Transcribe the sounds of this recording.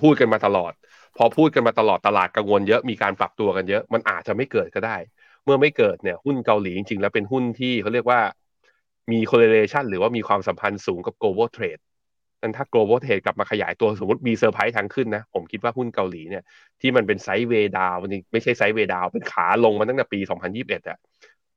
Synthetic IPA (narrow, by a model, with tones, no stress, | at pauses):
pʰuː˥˩t̪̚ka˧nmaː˧t̪a˧lɔ̰ː˨˩t̪̚ | pʰɔ˧pʰuː˥˩t̪̚ka˧nmaː˧t̪a˧lɔː˨˩t̪ːa˧laː˨˩t̪̚ka˧ŋwo˧njɤ˦˥ʔmiː˧kaː˧npɾa̰˨˩p̚t̪u˧ɐka˧njɤ˦˥ʔma˧nʔaː˨˩t͡ɕa˨ʔma˥˩jkɤː˨˩t̪̚kɔ˥˩daː˥˩j | mɯ˥˩ɐma˥˩jkɤː˨˩t̪̚ni˥˩ɐhu˥˩nka˧wliː˩˦i˧ŋt͡ɕi˧ŋlɛː˦˥wpe˧nɦu˥˩nt̪ʰiː˥˩kʰa˧˥˩ɾi˥˩əkwaː˥˩ | miː˧kʰo˧le˧leː˧t͡ɕʰa˥˩nɾɯː˩˦waː˥˩miː˧kʰwaː˧msa˩˦mpʰa˧nsuː˩˦ŋka˨˩p̚kloː˧bɤː˥˩t̪ʰɾeː˨˩t̪̚ | na˥˩nt̪ʰaː˥˩kloː˧boː˥˩t̪ʰɾeː˨˩t̪̚kla˨˩p̚maː˧kʰa˧ja̰ː˩˦jt̪u˧so˨˩˦mu˦˥t̪̚miː˧sɤː˧pʰa˦˥jt̪ʰa˧˥ŋkʰɯ˥˩nːa˦˥pʰo˩˦mkʰi˦˥t̪̚waː˥˩hu˥˩nka˧wliː˩˦ni˥˩ɐ | t̪ʰiː˥˩ma˧np̬e˧nsa˦˥jweː˧daː˧wma˥˩jt͡ɕʰa˥˩jsa˦˥jweː˧daː˧wpe˧nkʰaː˩˦lo˧ŋma˧na˥˩nt̪ɛ˨˩piː˧sɔ˩˦ŋpʰa˧njiː˥˩p̚ʔe˨˩t̪̚ʔa̰˨˩